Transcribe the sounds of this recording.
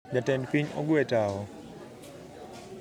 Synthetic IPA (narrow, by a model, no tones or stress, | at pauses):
d͡ʒatɛnpiɲɔ̰ɡwɛtaɔ